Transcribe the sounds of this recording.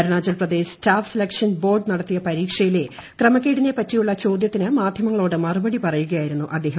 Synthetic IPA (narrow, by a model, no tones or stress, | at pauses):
ɐɾɐɳaːd͡ʑɐlprɐd̪e̞ːsstaːfselɐkʂɐnbo̞ːrɖnɐɽɐt̪ːijɐpɐɾiːkʂɐjile̞ | krɐmɐkʲːeɽiɲːepːɐtːijuɭːɐt͡ɕo̞ːd̪jɐt̪ːinɨmaːd̪ʱjɐmɐŋːɐɭo̞ːɽɨmɐrubɐɽipɐrɐjuɣɐjaːjiɾunːuʔɐd̪ːe̞ːɦɐ